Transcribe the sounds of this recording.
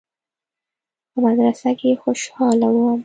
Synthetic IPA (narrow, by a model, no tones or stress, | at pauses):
pəbad̪ɾasakexoʃhɑlawum